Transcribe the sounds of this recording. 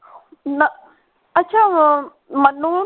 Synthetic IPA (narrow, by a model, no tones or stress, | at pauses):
nɐ | ɐtːʰa | mɐnu